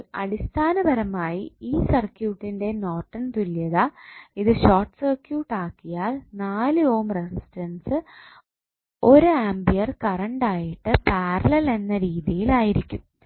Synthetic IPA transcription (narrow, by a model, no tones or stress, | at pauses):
ɐ̰ɽist̪ʰaːnɐbɐɾɐmaːjiiːsɐrkjuːʈːinde̞no̞ːʈːɐɳt̪uljɐðaiðɨɕoːrʈsɐrkjuːʈːaːkːijaːlnaːlɨo̞ːmresisʈɐnsɨ | o̞ɾuaːmbijɐrkɐrɐɳɖaːjiʈːɨpaːrɐlɐle̞nːɐɾiːðijilaːjiɾikʲːum